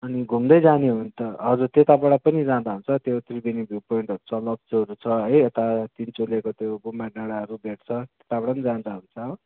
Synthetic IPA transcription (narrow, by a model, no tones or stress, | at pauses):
ʌniɡʱumd̪ʌjd͡zaneɦunt̪ʌɦʌd͡zurt̪et̪abʌɽapʌnid͡zãnd̪aɦunt͡sʰʌt̪jet̪ʰribinibʱjupoiɳʈɦʌɾut͡sʰʌlʌb̚t͡sʌɾut͡sʰʌʌjet̪at̪int͡solekot̪jobumaɖaɽaɦʌɾubʱeʈt͡sʰʌt̪et̪abʌɽaʌnid͡zãnd̪aɦunt͡sʰʌ